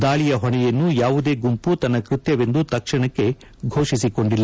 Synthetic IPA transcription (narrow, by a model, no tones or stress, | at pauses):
d̪aːɭijɐɦoɳɛjɐnːujaːʋud̪e̞ːɡumput̪ɐnːɐkɾut̪jɐʋe̞nd̪ut̪ɐkʂɐɳɐkːe̞ | ɡʱo̞ːʂisiko̞ɳɖilːɐ